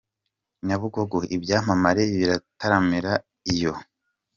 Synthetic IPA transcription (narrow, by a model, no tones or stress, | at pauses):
ɲaβuɡoɡoʔibɟaːm̥amaɾeβiɾataɾamiɾa | ijo̞